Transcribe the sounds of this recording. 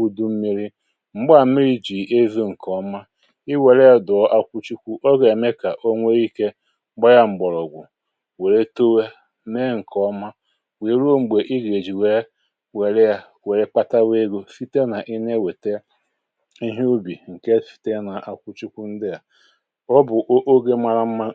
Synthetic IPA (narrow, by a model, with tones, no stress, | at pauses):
u˦du˦m̩˦mi˦ɾi˦ | ŋ͡m̩˦ɡ͡ba˨˦mi˦ɾi˦d͡ʒi˨ʔe˦vi˦ŋ̩˨kɔ˦ma˦ | i˦we˨ɾe˦ja˦dʊ˨ɔ˦ʔa˦kʷu˦t͡ʃi˦kʷu˦ʔo˦ɡe˨e˨me˦ka˨ʔo˦ŋʷe˦i˦ke˦ | ŋ͡m̩˦ɡ͡bɔ˦ja˦ŋ͡m̩˨ɡ͡bɔ˨ɾɔ˨ɡʷʊ˨ | we˨ɾe˦to˦we˦ | me˦ŋ̩˨kʰɔ˦ma˦ | we˨ɾo˦ŋ͡m̩˨ɡ͡be˨ʔi˦ɡe˨d͡ʒi˨we˦ | we˨ɾe˦ja˦ | we˨ɾe˦k͡pa˦ta˦we˦ɡo˦fi˦te˦na˨ʔi˦ne˦we˨te˦ | i˦ɦu˦bi˨ŋ̩˨ke˦fi̥˨te˦na˨ʔa˨kʷu˦t͡ʃi˦kʷu˦n̩˦dɪ˦ja˨ | ɔ˦bʊ˨ʔʔo˦ɡe˦ma˦ɾa˦m̩˦ma˦